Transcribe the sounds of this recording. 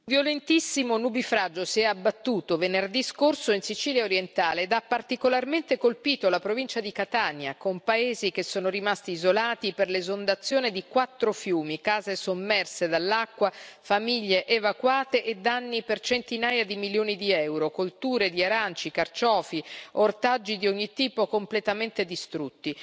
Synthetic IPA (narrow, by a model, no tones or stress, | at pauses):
vjolent̪isːimonubifɾad͡ʒːosiɛabːat̪ːuːt̪ovenerd̪iskorsoinsit͡ʃiːljaoɾjent̪aːled̪apːart̪ikolarment̪ekolpiːt̪olapɾovint͡ʃad̪ikat̪anjakompaeːzik̟esːoːnoɾimast̪iːzolaːt̪iperlezond̪at̪sːjoːned̪ikwat̪ːɾofjuːmikaːzesomːɛrsed̪alːakːwafamiʎːeʔevakwaːt̪eʔed̪ːanːipert͡ʃent̪inaːjad̪imiljoːnid̪iɛwɾokolt̪uːɾed̪iaɾant͡ʃikart͡ʃɔːfiort̪ad͡ʒːid̪ioɲːit̪iːpokomplet̪ament̪ed̪ist̪ɾut̪ːi